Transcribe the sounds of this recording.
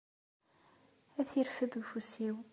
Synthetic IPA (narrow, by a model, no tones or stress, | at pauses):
æθiɾfəðvfusiw